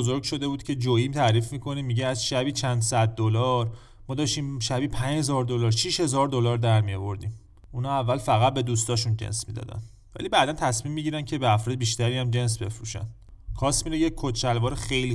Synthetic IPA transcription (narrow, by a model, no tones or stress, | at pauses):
zoɾɡʃo̞d̪e̞buːd̪cʰe̞d͡ʒoimt̪ʰæɾiːfmiːkʰo̞nimːiɟeæzʃæbiːt͡ʃʰænd̪sæd̪̚ːolɒːɾ | mɒːd̪ɒːʃt̪imʃæbiːpʰæɲhezɒːɾd̪olɒːɾʃiʃhe̞zɒːɾd̪o̞lɒɾd̪æɾmijovoɾd̪im | unɒævːælfæɣæt̪̚be̞d̪uːst̪ɒːʃund͡ʒḛnsmḭd̪ɒ̰ːd̪æ̰n | væ̰liːbæːd̪ænt̪ʰæsmimːiɟiɾæncʰe̞beæfɾɒːd̪ebiʃt̪æɾiːæmd͡ʒe̞ns̬be̞fɾuʃæ̰nd̪ | kʰɒːsminejekʰott͡ʃælvɒːɾexejli